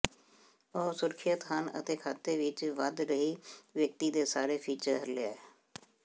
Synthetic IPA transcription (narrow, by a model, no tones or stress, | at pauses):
ɔːsʊɾkʰɪjət̪ɦənə̰t̪eːkʰaːt̪eːʋɪt͡ʃʋəd̪ɾəɦiːʋjək̚t̪iːd̪eːsaːɾeːpʰiːt͡ʃəɾɦəɾlea̰ːɛː